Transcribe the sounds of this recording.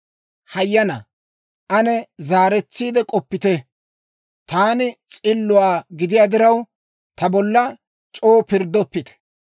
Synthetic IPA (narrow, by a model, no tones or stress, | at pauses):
hɐjːɐnɐ̰ | ʔɐnɛzaːɾɛt͡sːiːd̪ɛkʼɔpːɪt̪ɛ | t̪aːnɪt͡sʼɪlːʊwaːɡɪd̪ɪjaːd̪ɪɾɐw | t̪ɐbɔlːɐ | t͡ʃʼo̞ːpɪɾd̪ːɔpːɪt̪ɛ̥